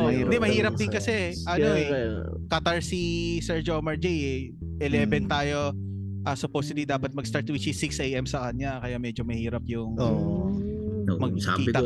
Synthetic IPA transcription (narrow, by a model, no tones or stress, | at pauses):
id̪ɛmɐhiːɾɐp̚d̪ɪnkɐsɛʔɐnoɛ̰ | kɐt̪aɹsisɛɹd͡ʒomɐɹd͡ʒɛjɛ | ʔɛlɛːvɛnt̪aːjo | ʔɐsʊpowsʊd̪id̪aːpɐt̪̚mɐɡst̪aɹt̪wit͡ʃisɪksʔɛjʔɛmsɐkɐɲakɐjamɛːd͡ʒomɐhiːɾɐp̚jʊŋo | mɐɡ̚kiːt̪ɐ